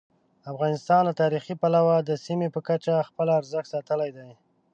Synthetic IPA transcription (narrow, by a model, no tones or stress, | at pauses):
afɣɑnɪst̪ɑnlat̪ɑɾixipalawad̪əsimepəkat͡ʃaxpəlaːɾzəxsɑt̪əlajd̪aj